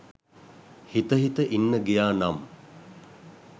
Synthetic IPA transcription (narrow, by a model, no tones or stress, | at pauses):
hit̪əɦit̪əʔinːəɡijaːnam